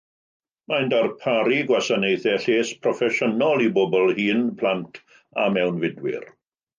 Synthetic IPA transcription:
majndarpʰaɾiɡwasanejθɛɬeːspʰrɔfɛʃənɔlˠibobɔlˠhiːnpʰl̥ˠantʰ | a̰mɛwnvɪdwɪ̰r

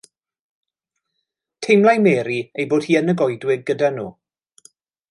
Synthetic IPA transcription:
tʰejmlˠajmɛːɾiejboːd̥hiːənəɡɔjdwɪɡ̚ɡədanṵː

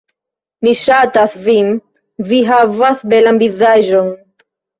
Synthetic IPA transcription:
miʃat̪aθvim | viɦavaθbɛlambizaʒon

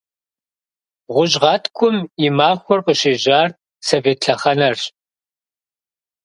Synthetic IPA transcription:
ʁʷʊʑʁɑːtʰkʷʰʊmɪmaːxʷɔrqʼəɕeːʑaːr | sɐveːtɬʰɐχɐnɐrɕ

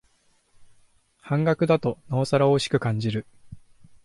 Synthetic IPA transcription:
hãŋɡakɯ̟d̪at̪o̞naːsaɾao̞ːɕi̥kɯ̟kãɲ̟d͡ʑiɾɯ̟

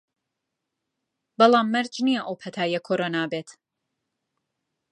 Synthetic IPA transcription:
bɐlˠaːmːɨɾd͡ʒnijɛʔoːpʰɐt̪ʰaːjɛkʰoɾoːnaːbeːt̪

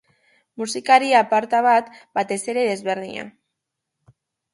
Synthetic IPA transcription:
musikaɾiapaɾt̪aβat̪bat̪e̞se̞ɾe̞ðe̞zβe̞ɾðḭɲa̰

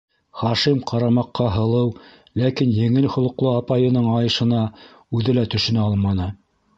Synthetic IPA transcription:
χɑʃimqʰɑɾɑmɑqːɑɦɤ̆lˠɤw | lækinjɘ̆ŋɘlhŏlˠɤ̆qlˠɤɑpɑjɤ̆nɤɴɑjɤ̆ʃɤ̆nɑ | ʉðɘlæt̪ɵ̆ʃɵ̆næɑlˠmɑnɤ

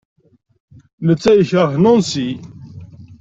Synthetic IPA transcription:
mət͡sːæjəçəɾθnʊnsi

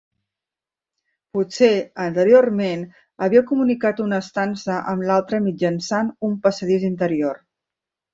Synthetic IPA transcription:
puseənt̪əɾiormen | əβiəkumunikat̪unəst̪ansəʔəmlalˠt̪ɾəmid͡ʒənsanumpəsəðizint̪əɾior

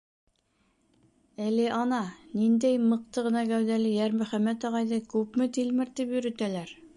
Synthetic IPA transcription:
æliʔɑnɑnind̪æjmɤ̆q̚t̪ɤʁɤ̆nɑɡæwðælɘjæɾmɵ̆χæmæt̪ɑʁɑjðɤkʉpmɘt̪ilmɘɾt̪ipjɵ̆ɾɘ̆t̪ælæɾ

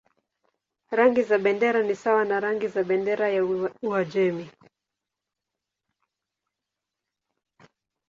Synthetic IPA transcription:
ɾaŋɡizaɓɛndɛɾanisawanaɾaŋɡizaɓɛndɛɾajauad͡ʒɛmi

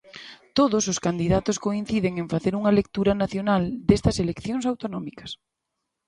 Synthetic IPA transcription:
t̪oðososkand̪iðat̪oskoin̟θiðeŋeɱfaθeɾuŋɐelek̚t̪uɾɐnaθjonald̪est̪ɐselekθjõŋsawt̪onɔmikɐ̥s

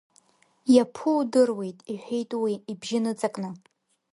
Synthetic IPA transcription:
japʰudɨrwe̞jtʼiħᶣʷejtʼwiːbʒɪnɨt͡sʼakʼnɨ

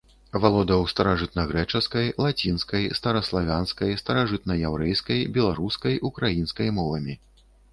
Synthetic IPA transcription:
valˠɔd̪ɐwst̪ɐɾaʐɨt̪̚nɐɣɾɛt͡ʂɐskɐjlˠat͡sʲinskɐjst̪ɐɾɐslˠavʲanskɐjst̪ɐɾaʐɨt̪nɐjawɾɛjskɐjbʲɛlˠaɾuskɐjʔukɾajinskɐjmɔvɐmʲi

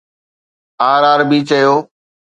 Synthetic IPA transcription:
aːɾaːɾbiːt͡ʃəjoː

